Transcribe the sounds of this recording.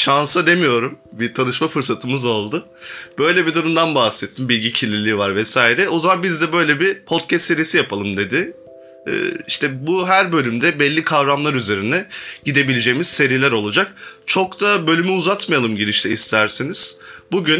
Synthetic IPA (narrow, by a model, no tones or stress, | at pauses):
ʃansad̪e̞mijo̞ɾumbit̪ʰanɯʃmafɯɾsat̪ʰɯmɯzo̞lˠd̪ʊ | b̥ø̞jlʲebid̪uɾumd̪anbahsɛt̪ʰːimbilʲɟicʰilʲːilʲiːvaɾvɛsaːiɾɛo̞zamanbizd̪ɛbø̞jlʲebipʰot̪̚cʰɛst̪ːe̞ɾijsijapʰalˠɯmd̪e̞d̪ɪ̰ː | iʃt̪ʰɛbuɦæɾbø̞lʲymd̪ɛbɛlʲːikʰavɾamlˠaɾyze̞ɾind̪ɛɟ̥id̪e̞bilʲed͡ʒejimiz̥se̞ɾilʲæɾo̞lˠud͡ʒak̚t͡ʃʰo̞kt̪ʰabø̞lʲymyuzat̪majalˠɯmɟiɾiʃt̪ʰɛist̪ʰæɾsiniz̥buɟyn